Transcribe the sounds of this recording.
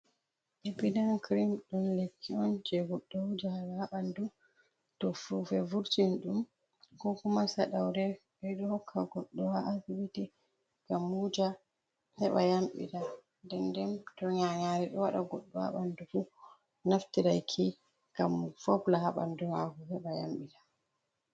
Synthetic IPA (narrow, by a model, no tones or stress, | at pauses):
ʔɛbidankɾimɗumlekʰːiɔnd͡ʒɛɡɔɗːɔud͡ʒalahaɓandu | tɔfuvɛvuɾtinɗum | kɔkumasaɗawdɛ | bɛɗɔhɔkʰːaɡɔɗːɔwaʔasibiti | ɡ̥amhud͡ʒa | hɛɓajamɓḭta | dɛndɛmtɔɲaŋaɾiɗɔwaɗaɡɔɗːɔha̰ɓandufu | naftiɾajkʰi | ɡamfɔblahaɓa̰ndumaɡuhɛɓaja̰mɓitḁ